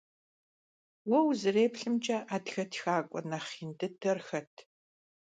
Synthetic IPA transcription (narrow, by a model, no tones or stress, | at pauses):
wɔwzɨreːpɬɨmt͡ʃʼɐʔaːtxɐtʰxaːkʷʼɔ̰nɐχiːndɨdʰɐrxɐtʰ